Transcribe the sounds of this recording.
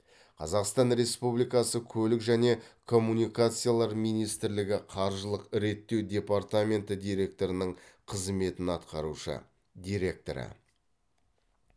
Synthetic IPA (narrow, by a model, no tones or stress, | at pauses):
qʰɑzɑqst̪ɑnɾe̞spublijkɑsəkʲʰɵlɪkʒæne̞kʰo̞mːunijkat̪sɨjalˠɑɾmijnijst̪ɪɾlɪɡʲɪqʰɑɾʒəlˠəqɪɾe̞t̪ːe̞wd̪ʲe̞part̪amʲe̞nt̪əd̪ijɾe̞k̚t̪o̞ɾənəɴqʰəzme̞t̪ɪnɑt̪qɑɾuʃə̰ | d̪ʲijɾe̞k̚t̪o̞̰ɾə̰